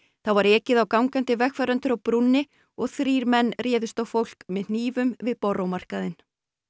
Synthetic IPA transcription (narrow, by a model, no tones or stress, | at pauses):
θaðvaɾɛːcɪðawkawŋkant̪ɪvɛxfɛɾœnt̪ʏɾawpɾunːɪ | ɔɣθɾiːɾmɛnːrjɛːðʏst̪ɔwfowl̥kmɛðn̥iːvʏmvɪðpɔrowmar̥kaðɪn